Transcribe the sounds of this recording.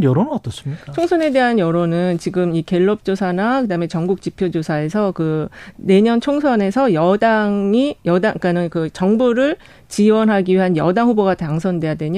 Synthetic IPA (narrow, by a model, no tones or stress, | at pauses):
jʌɾonɯnʌt͈ʌs͈ɯmɲikt͡ɕʰoŋsʰʌne̞de̞ɦanjʌɾonɯnt͡ɕiɡɯmike̞ɭːʌp̚t͡ɕ͈osʰanakɯdame̞t͡ɕʌŋɡuk̚t͡ɕipʰjod͡ʑosʰae̞sʰʌkɯne̞ɲʌnt͡ɕʰoŋsʰʌne̞sʰʌjʌdaŋijʌdaŋik͈anɯnkɯt͡ɕʌŋbuɾɯɭ | t͡ɕiwʌnɦaɡiɥiɦanjʌdaŋɦuboɡataŋsʰʌndwe̞jadwe̞ɲ